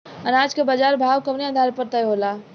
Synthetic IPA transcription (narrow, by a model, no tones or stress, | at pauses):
ənaːd͡ʒkabad͡ʒaːɾbʱaːwkəpnead̪ʱaɾpəɾt̪əjɦola